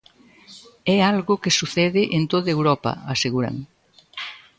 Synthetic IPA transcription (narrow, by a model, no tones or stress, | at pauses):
ɛalɣʊkesuθɛðɪʔent̪oðɐewɾɔpɐ̰aseɣuɾɐ̰ŋ